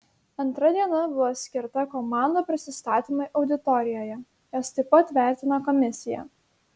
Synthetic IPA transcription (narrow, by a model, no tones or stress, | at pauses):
ɐnt̪ɾɐd̪ʲiɛnɐbʊʋosʲkʲɪɾt̪ɐkɔmɑˑnd̪oːpʲɾʲɪsʲɪst̪ɑːt̪ʲɪmɐɪʔɒʊd̪ʲɪt̪ɔɾʲɪjoːjɛ | jɛst̪ɐɪpɐt̪ʋʲæˑɾʲt̪ʲɪnɐkɔmʲɪsʲɪjɛ̰